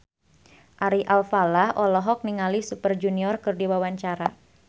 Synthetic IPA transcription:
ʔaɾiʔalfalahʔɔlɔɦɔk̚niŋalisupərd͡ʒuniɔrkɨrdiwawaɲt͡ʃaɾa

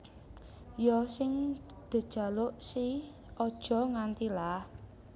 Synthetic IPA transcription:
jɔsɪŋ | d̪̥ə̤d̥ʒ̥a̤loʔsi | ɔd̥ʒ̥ɔ̤ŋant̪ilah

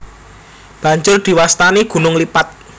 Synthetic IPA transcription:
b̥ä̤ɲd͡ʒʊrd̪̥i̤wast̪aneɡ̥ṳnʊŋlipat̪̚

